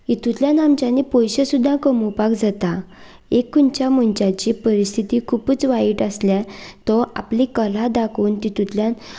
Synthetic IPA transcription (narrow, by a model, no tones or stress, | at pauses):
it̪ut̪ljanamt͡ɕanipojɕəsud̪ʱːãkəmupakd͡zat̪a | ekːunt͡ɕaməɳt͡ɕat͡ɕipəɾist̪ʰit̪ikʰuːpət͡sʋaiːʈəsljat̪ɔʔa̰plikəl̤ad̪akʰuːnt̪it̪ut̪ljan